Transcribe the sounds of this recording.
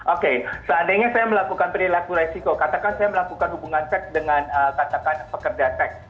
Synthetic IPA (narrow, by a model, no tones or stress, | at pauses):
ʔokesəadajɲasajaməlakukanpɾilakuɾesikokat̪akansajaməlakukanɦubuŋansɛk̚dəŋanəkat̪akanpəkərd͡ʒansɛk̚